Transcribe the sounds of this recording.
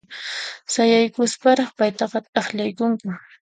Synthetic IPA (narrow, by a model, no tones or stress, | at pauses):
sajajkʊspaɾɑχpajt̪ɑqɑt̪ʼɑχʎajkʊŋkʊ